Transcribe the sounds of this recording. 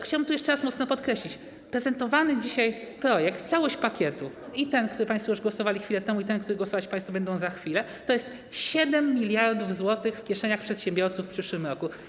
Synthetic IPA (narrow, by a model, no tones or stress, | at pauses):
xt͡ɕawabɘmt̪ujɛʂt͡ʂɛɾasmɔt̪snɔpɔt̪kɾɛɕlʲit͡ɕ | pɾɛzɛnt̪ɔvanɘd͡ʑiɕajpɾɔjɛkt̪t̪sawɔɕt͡ɕpakʲɛt̪uit̪ɛnkt̪uɾɘpãj̃st̪fɔjuʐɡwɔsɔvalʲixfʲilɛt̪ɛmuit̪ɛnkt̪uɾɘɡwɔsɔvat͡ɕpãj̃st̪fɔbɛnd̪ɔ̃w̃zaxfʲilɛ | t̪ɔjɛst̪ | ɕɛd̪ɛmːʲilʲjaɾd̪uvzwɔt̪ɘxfkʲjɛʂɛɲaxpʂɛt̪ɕɛ̃mbʲjɔɾt̪sufpʂɘʂwɘmɾɔku